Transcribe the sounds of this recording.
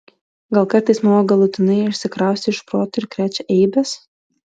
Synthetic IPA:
ɡɐlˠkɐɾt̪ɐɪsmɐʋoɡɐlˠʊt̪ʲɪnɐɪʊʃʲsʲɪkɾɑˑʊsʲt̪ʲɪɪʃpɾoːt̪ʊɪɾkʲɾʲæːt͡ʃʲɛʔɛɪbʲɛs

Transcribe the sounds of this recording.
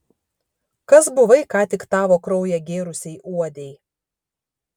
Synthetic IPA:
kɐsbʊʋɐɪkɑːt̪ʲɪkt̪ɑːʋoːkɾɔʊjɛɡʲeːɾʊsʲɛɪʔuɔd̪ʲɛɪ

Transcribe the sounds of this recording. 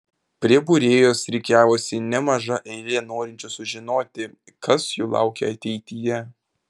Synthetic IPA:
pʲɾʲiɛbuːɾʲeːjoːsɾʲɛɪkʲæːʋoːsʲɪnʲɛmɐʒɐʔɛɪlʲenoːɾʲɪnʲt͡ʃʲʊsʊʒʲɪnoːt̪ʲɪ | kɐsjuːlˠɑ̰ˑʊkʲɛ̰ɐt̪ʲɛɪt̪ʲɪjɛ

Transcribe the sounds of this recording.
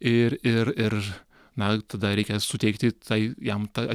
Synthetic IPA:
ɪɾɪɾɪɾ | nɐt̪ɐd̪ɐɾʲɛɪkʲɛsʊt̪ʲɛɪk̚t̪ʲɪt̪ɐɪjɛmt̪ɐɐ

